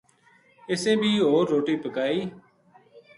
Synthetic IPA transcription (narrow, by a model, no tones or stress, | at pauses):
ɪsẽːbʱiːɦoːɾːoːʈiːpəkaːiː